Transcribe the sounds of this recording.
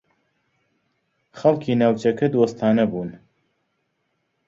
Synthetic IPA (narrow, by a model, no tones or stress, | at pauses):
xɐlˠkʰiːnaːwt͡ʃɐkʰɐd̪wost̪ʰaːnɐbuːn